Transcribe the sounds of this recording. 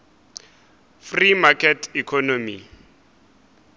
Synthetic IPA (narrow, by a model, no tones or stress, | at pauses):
frimakʰɛtʰikʰɔnomḭ